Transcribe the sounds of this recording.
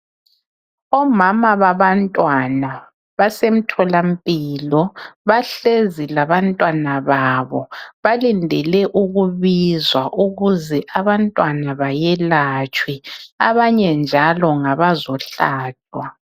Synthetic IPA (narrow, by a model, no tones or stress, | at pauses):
ɔmamaβaβantʼwana | βasem̩tʰɔlam̩pʼiːlɔβaɬezilaβantʼwanaβaβɔβalindʱɛlɛʔuɣuβizwaʔuɣuzɛʔaβantʼwanaβajɛlat͡ʃʼwiaβaɲɛnd͡ʒʱalɔŋaβazɔɬaːd̥ʱwa